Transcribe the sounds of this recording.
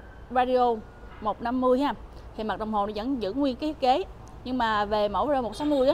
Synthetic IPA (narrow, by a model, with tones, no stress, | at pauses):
vaː˧ɗi˧o˧ | mo˨˩t̚na˧mːɨ˧əjaː˧mt̪ʰi˨˩ma˨˩ɗə˨˩wŋ͡mho˨˩nɔ˨˦və̰˧˥nzɨ̰˧˥ŋwi˧ənk̪ːi˦˥k̚ke˨˦ | ɲɨ˧ŋmaː˨˩ve˨˩mə̰˧˩waː˧o˨˩t̚so˨˦mɨ˧əj